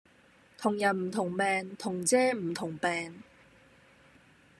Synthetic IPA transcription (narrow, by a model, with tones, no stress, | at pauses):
t̪ʰʊ˨˩ŋjɐ˨˩nm̩˨˩t̪ʰʊ˨˩ŋpɛː˨ŋt̪ʰʊ˨˩ŋt͡sɛː˥m̩˨˩t̪ʰʊ˨˩ŋpɛː˨˧ŋ